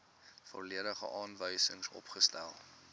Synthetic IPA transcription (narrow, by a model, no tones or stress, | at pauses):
fo̰liəɾəχə̰ʔɑːnvəjsəŋsɔ̰pχəstæ̰lˠ